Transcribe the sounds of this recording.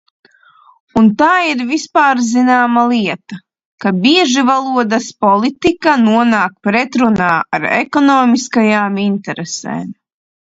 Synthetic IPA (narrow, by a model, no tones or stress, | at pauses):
unt̪aːiɾvispaːɾzinaːmalˠiɛt̪a | kabiɛʒivalˠuɔd̪aspɔlˠit̪ikanuɔnaːk̚pɾɛt̪ɾunaːaɾɛ̰kɔnɔːmiskajaːmint̪ɛɾɛsḛːm